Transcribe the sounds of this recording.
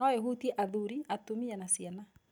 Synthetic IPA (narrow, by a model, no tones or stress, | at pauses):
ɔjɛɦutiɛʔaðuɾiatumianasiana